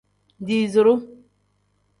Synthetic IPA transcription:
n˨di˨zu˨ɾu˦

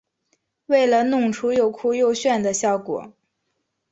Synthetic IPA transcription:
we˥˩ɪlə˩nʊ˥˩ŋʈ͡ʂʰu˧˥jo˨˩ʊkʰu˥˧jo˥˧ʊɕɥɛ˥˩nd̪ə˩ɕjɑ˥˩ʊkwɔ̰˨˩˦

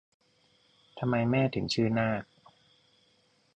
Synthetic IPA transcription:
t̪ʰa˧mːa˧jmɛː˥˩t̪ʰɯ˩˦ŋt͡ɕʰɯː˥˩naː˥˩k̚

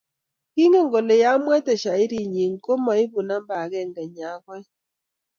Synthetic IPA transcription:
ki˦ŋe˦˨ŋɡo˨le˨ja˦mwɛ˦tɛ˨ʃa˨i˦ɾi˦˨ɲi˨ŋko˦ma˨i˦βu˨na˦mba˨ɣɛ˦˨ŋɡɛ˨ɲa˨˦ɣwɛ˦

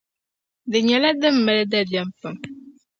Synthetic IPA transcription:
dɨ˨ɲɛ˨la˦dɨ˦mːɨ˨lɨ˦da˦bjɛ˦m˦pɨ˨m

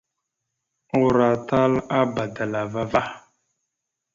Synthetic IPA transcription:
u˨ɾa˨ta˦la˦ba˨da˨la˨va˦va˦

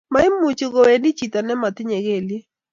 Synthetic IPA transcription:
ma˦ɪ˦mu˨t͡ʃʊ˨ɡo˨e˨ndi˦t͡ʃi˨t̪ɔ˨nɛ˦ma˨t̪ɪ˦ɲe˨ɡe˨lje˦

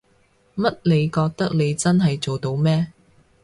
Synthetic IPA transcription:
mɐ˥t̚le˨˧jkɔː˧k̚t̪ɐ˥k̚le˨˧jt͡sɐ˥nɦɐ˨jt͡so˨wt̪o˧wmɛː˥

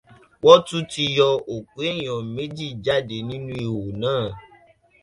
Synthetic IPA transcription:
wɔ˦tu˦ti˧jɔ˧o˨ku˨˦e˦j̃ɔ̃˨me˦d͡ʒi˦˨d͡ʒa˦˨de˨nĩ˦nũ˦i˨wo˨nãː˦˨

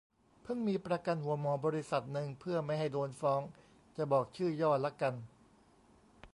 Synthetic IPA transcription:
pʰɯ˥˩ŋmiː˧pɾa˧ka˧nhu˩˦əmɔː˧bɔː˧ɾi˦˥sa˨˩t̪̚nɯ˨˧ŋpʰɯ˥˩ɐma˥˩jɦa˥˩jdoː˧nfɔː˦˥ŋ | t͡ɕa˨˩bɔː˨˩k̚t͡ɕʰɯː˥˩jɔː˥˩t̪la˦˥ka˧n

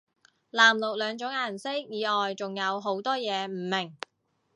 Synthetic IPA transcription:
laː˨˩mlʊ˨k̚lœː˨˧ŋt͡sʊ˨˥ŋaː˨˩nsɪ˥k̚jiː˨˧ɔː˨jt͡sʊ˨ŋjɐ˨˧wɦo˨˥wt̪ɔː˥jɛː˨˧m̩˨˩mɪ˨˩ŋ

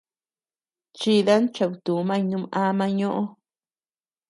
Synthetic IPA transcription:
t͡ʃi˧ða˦nt͡ʃa˧˨βu˧˨t̪u˨˦mã˦˧nũ˧˦mʔa˦mã˧ɲõ˦ʔõ˦

